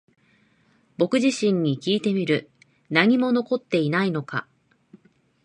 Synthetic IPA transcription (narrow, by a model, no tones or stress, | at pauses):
bo̞kɯ̟ʑiɕĩɲ̟ːikʲiːt̪e̞mʲiɾɯ̟ | naɲ̟imo̞no̞ko̞t̪ːe̞inaino̞ka̰